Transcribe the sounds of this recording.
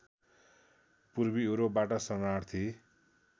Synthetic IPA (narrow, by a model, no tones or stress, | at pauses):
puɾbioɾobaʈʌsʌraɽt̪ʰi